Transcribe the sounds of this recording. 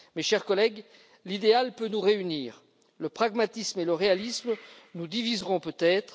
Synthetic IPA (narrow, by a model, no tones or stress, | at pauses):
meʃɛʁkɔlɛɡ | lid̪ealpønuʁeyniːʁ | ləpχaɡmat̪ismeləʁealismnud̪ivizʁɔ̃pøt̪ɛt̪χ